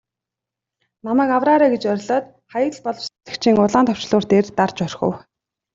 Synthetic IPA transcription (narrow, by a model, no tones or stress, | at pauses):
namæːkawraːɾaːɡet͡ɕœɾ̆ʲɮɔːt̪ | χajə̆ɮpɔɮɞ̆wse̥t͡sɘ̥̆kt͡ɕʰiːŋʊɮaːnt̪ʰɔ̥w̥t͡ɕ̆ɮʊːr̥t̪eːrt̪art͡ɕœrxɵ̰̆w